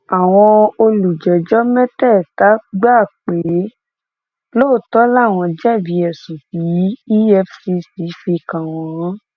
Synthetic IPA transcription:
a˨w̃ɔ̃˧o˧lu˨d͡ʒɛ˨d͡ʒɔ˦mɛ˦tɛ˦˨ta˨˦ɡ͡ba˦˨k͡pe˨˦ | lo˦˨tɔ˨˦la˦˨w̃ɔ̃˧d͡ʒɛ˦˨bi˨˦ɛ˨sũ˨fi˨˦i˦ɛ˧fsi˧si˨˦fe˧˨kã˨w̃ɔ̃˧˦˨

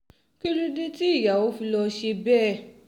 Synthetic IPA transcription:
ki˦ɾi˦de˦ti˦i˦˨ja˨wo˨˦fi˧lɔ˧ʃe˧bɛː˦˨

